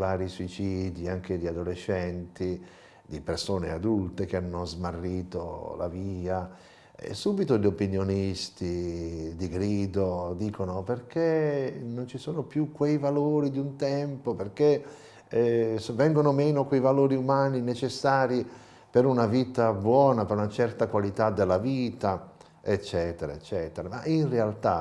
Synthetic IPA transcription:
vaːɾisuit͡ʃiːd̪iaŋk̟ed̪iad̪olet͡ʃːɛnt̪i | d̪ipersoːnead̪ult̪ek̟eanːozmarːiːt̪o̰la̰viːa | ḛsuːbit̪oʎopinjonist̪id̪iɡɾiːd̪od̪iːkonoperk̟enːont͡ʃisoːnopjukːwejvaloːɾid̪iunt̪ɛmpoperk̟e | svɛŋɡonomɛːnokwejvaloːɾiumaːninet͡ʃesːaːɾi | peɾunaviːt̪abwɔːnapeɾunat͡ʃɛrt̪akwalit̪ad̪ːelːaviːt̪a | et͡ʃːɛːt̪eɾaet͡ʃːɛːt̪eɾamaʔinrealt̪a

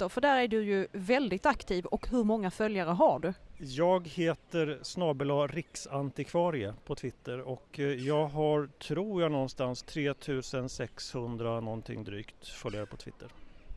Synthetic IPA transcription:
ɔfœɖæːɾæɖɵjɵvɛld̪ɪɡ̚t̪akt̪ʰiːvɔkɦɵɾmɔŋːafœljaɾəɦaɖɵjɑːɡheːt̪əɾsnɑːbʉlaɾɪksant̪ɪkʰvɑːɾɪəpʰɔt̪ʰvɪt̪ːəɾɔkjɑːɡɦaɾt̪ʰɾuːɾjanɔnːst̪anst̪ʰɾeːt̪ʰʉ̟ːsənsɛkshɵnd̪ɾanɔnt̪ʰɪ̰ŋd̪ɾyːkt̪fœljaɾəpʰɔt̪ʰv̥ɪ̰t̪ʰːəɾ

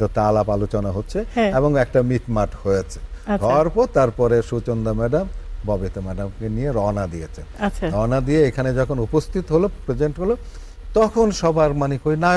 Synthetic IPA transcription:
t̪ot̪alapalot͡ɕonaɦotːɕʰẽeboŋɛk̚ʈamiʈmaʈhojet͡ɕʰe̥aɔaɾpɔɾt̪aɾpɔɾeʃut͡ɕond̪amɛɖambɔbit̪omɛɖamkenijeɾɔnad̪iet͡ɕʰenaaɾɔnad̪ieekʰaned͡ʑɔkʰonupost̪ʰit̪oɦolopɾed͡ʑeɳʈɦolo | t̪ɔkʰonʃɔbʱaɾmanikojna

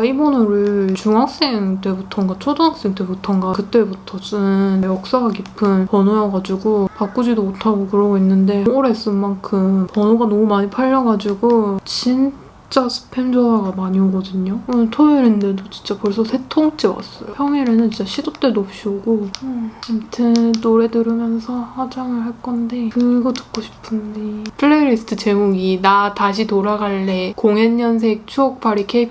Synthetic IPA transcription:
aibʌnoɾɯt͡ɕuŋɦak̚s͈e̞ŋt͈e̞butʰʌŋɡat͡ɕʰodoŋak̚s͈e̞ŋte̞butʰʌŋɡakɯt͈e̞butʰʌsɯnjʌk̚s͈aɡakipʰɯnpʌnojʌɡad͡ʑiɡopak͈ud͡ʑidomotʰaɡokɯɾʌɡoinːɯnde̞oɾe̞s͈ɯnmaŋkʰɯmpʌnoɡanʌmumaɲipʰaʎːʌɡad͡ʑiɡot͡ɕin | t͡ɕ͈asʰɯ̥pʰe̞nd͡ʑoaɡamaɲioɡʌdɯɲotʰoeɾendɯdot͡ɕi̥nt͡ɕ͈apoɭs̬͈ʰʌsʰe̞tʰoŋt͡ɕ͈ewa̰s͈ʌjopʰjʌŋeɾɯnɯnt͡ɕint͡ɕaɕʰidot͈edop̚ɕ͈ioɡo | amtʰɯnːoɾe̞dɯɾɯmjʌnsʰʌhwad͡ʑaŋɯɭɦaɭk͈ʌnde̞kɯɡʌtɯ̥p̚k͈oɕʰi̥pʰɯndepʰɯɭːeɾisʰɯ̥tʰɯt͡ɕe̞muɡinataɕ̬ʰitoɾaɡaɭːekoŋenːʌns̬ʰe̞k̚t͡ɕʰuʌk̚p͈ʰaɾikʰeipʰ

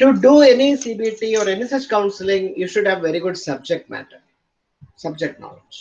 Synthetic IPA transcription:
ʈuɖuːenisiːbiːʈiːɔːɾenisʌt͡ʃkãʊ̃nsɪlɪ̃ŋjuːʃʊɖhæʋʋeɾiɡʊɖsʌb̚d͡ʒek̚ʈ̚mæ̰ʈəɾ | sʌb̚d͡ʒek̚ʈ̚nɔ̰ːled͡ʒ

